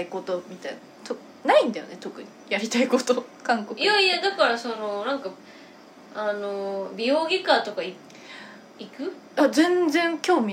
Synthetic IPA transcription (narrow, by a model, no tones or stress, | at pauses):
iko̞t̪o̞mʲit̪aina | t̪o | naĩnd̪ajo̰ne̞t̪o̞kɯ̟ɲ̟ijaɾʲit̪aiko̞t̪okãŋkokjaijad̪akaɾaso̞no̞nãŋka | anobʲioːɡʲikaːt̪o̞kai | ikɯ̟ | azẽ̞nd͡zẽŋkʲo̞ːmʲi